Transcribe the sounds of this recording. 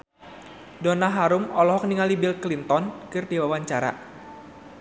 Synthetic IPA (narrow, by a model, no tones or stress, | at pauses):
dɔnaɦaɾumɔlɔɦɔk̚niŋalibilklint̪ɔnkɨrdiwawaɲt͡ʃaɾa̰